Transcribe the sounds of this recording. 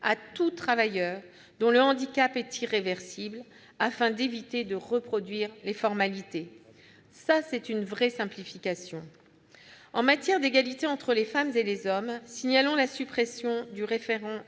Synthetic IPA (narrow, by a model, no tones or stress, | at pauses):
at̪ut̪χavajœːʁ | d̪ɔ̃ləɑ̃d̪ikʲapɛt̪ʰiʁevɛʁsibl | afɛ̃d̪evit̪ed̪əʁəpχɔd̪ɥiʁlefɔʁmalit̪e | sasɛt̪ynvʁɛsɛ̃plifikʲasjɔ̃ | ɑ̃mat̪jɛʁd̪eɡalit̪eɑ̃t̪χəlefamzelezɔmsiɲalɔ̃lasypχɛsjɔ̃d̪yʁefeʁɑ̃